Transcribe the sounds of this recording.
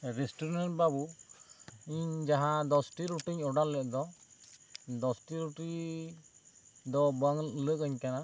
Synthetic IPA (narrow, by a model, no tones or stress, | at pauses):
ɾɛsʈɔɾɾanʈbabu | iɲd͡ʒaɦãd̪ɔsʈiɾuʈiɲɔɖaɾlɛʔ̚d̪ɔ | d̪ɔsʈiɾuʈi | d̪ɔbaŋləʔkaɲkana